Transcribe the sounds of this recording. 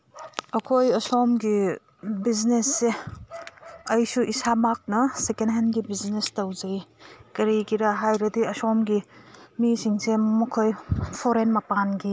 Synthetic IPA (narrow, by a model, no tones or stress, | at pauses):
ɐkʰojɐsɔmɡi | biznesːe | ɐjsuʔisamak̚nɐsekenɦenɡibiznestɐwzɐjkɐɾikiɾaɦajɾɐdiɐsɔmɡimisiŋsemɐkʰojpʰoɾenmɐpanɡi